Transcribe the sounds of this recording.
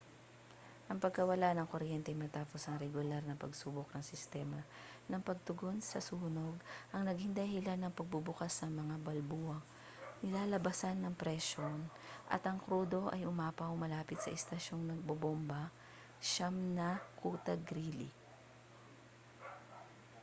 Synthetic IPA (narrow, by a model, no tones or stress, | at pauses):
ʔɐŋpɐɡ̚kɐwɐlanɐŋkoɾjɛnt̪ɛʔjmɐt̪aːpo̞sɐŋɾɛɡʊlaɾnɐpɐɡsuːbok̚nɐŋsɪst̪ɛmɐnɐŋpɐɡ̚t̪ʊɡo̞nsɐsuːno̞ɡʔɐŋnɐɡɪŋd̪ɐhɪlanːɐŋpɐɡ̚bubʊkasnɐŋmɐŋabɐlbuːɐŋ | nɪlaːlɐbɐsanːɐŋpɾɛʃon | ʔɐ̰t̪ɐŋkɾuːd̪o̞ʔɐjʊmaːpɐʊŋmɐlaːpɪt̪sɐʔɛst̪ɐʃo̞ŋnɐɡ̚bobombɐ | ʃamnɐkʰuːt̪ɐɡɾiːlḭ